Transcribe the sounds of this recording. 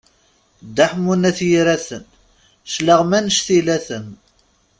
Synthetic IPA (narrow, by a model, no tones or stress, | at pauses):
d̪ːaħmunæθjiɾæθən | ʃləʁmænəʃθilæθən